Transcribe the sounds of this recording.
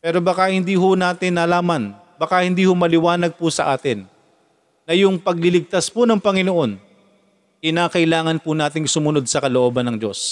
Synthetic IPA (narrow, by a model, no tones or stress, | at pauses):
pɛːɾo̞bɐkahɪnd̪iːɦʊnaːt̪ɪnːɐlaːmɐn | bɐkahɪnd̪iːhʊmɐlɪwaːnɐɡ̚pʊsɐʔaːt̪ɪnː | ɐjʊŋpɐɡ̚lɪlɪɡ̚t̪aspʊnɐŋpɐŋɪnoʔo̞n | kɪnaːkɐʔɪlaːŋɐnpʊnaːt̪ɪŋsʊmʊno̞d̪̚sɐkɐloʔo̞ːbɐnɐŋd͡ʒo̞̰s